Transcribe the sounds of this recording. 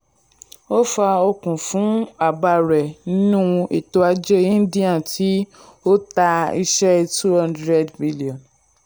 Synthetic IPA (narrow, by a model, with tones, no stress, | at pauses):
o˦fa˧o˧kũ˨fũ˨˦a˨ba˧˨ɾɛ˨nĩ˦nũ˦˧i˨to˧a˧d͡ʒe˦ĩ˦di˦ã˦˨tʰi˨˦ | o˦ta˧i˧ʃɛ˦tu˦hã˦ndɾɛ˦˨dbi˦li˨ɔ̃˨n